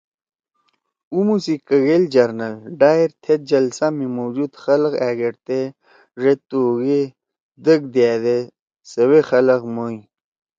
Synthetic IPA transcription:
umusikəɣeld͡ʑaɾnɐlɖaːiɾt̪ʰet̪̚d͡ʑɐlsamimowd͡ʑud̪xɐlqaːɡeʈt̪e | ʐet̪uːɡe | d̪əɡ̚d̪jaːd̪e | səwexɐləqmoĩ

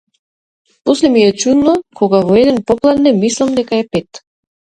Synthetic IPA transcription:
pɔslɛmiɛt͡ʃud̪nɔkʰɔɡavɔɛd̪ɛnpɔplˠad̪nɛmislˠamd̪ɛkaɛpɛt̪

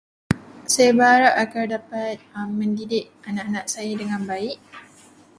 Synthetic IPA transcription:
sajabəɦaɾap̚aɡardapat̪̚mːəndidɪʔ | anaʔanaʔsajadəŋãnbaiʔ

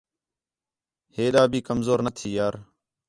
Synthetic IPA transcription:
heːɗaːbʱiːkəmzoːɾnət̪ʰiːjaːɾ

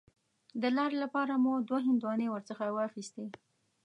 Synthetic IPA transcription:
d̪əlɑɾelapɑɾamud̪waɦɪnd̪wɑnewəɾt͡səxawəaxist̪e

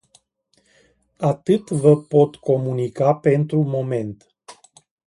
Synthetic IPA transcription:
at̪ɨt̪vəpo̞t̪ko̞munikape̞nt̪ɾumo̞me̞nt̪

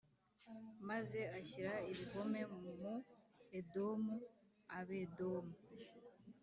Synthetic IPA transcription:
maze̞açiɾaiβiko̞me̞muedo̞mu | aβedo̞mu

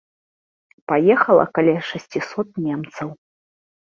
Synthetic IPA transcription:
pajɛxɐlˠɐ̰kalʲɛʂɐsʲt͡sʲisɔt̪̚nʲɛmt̪sɐw

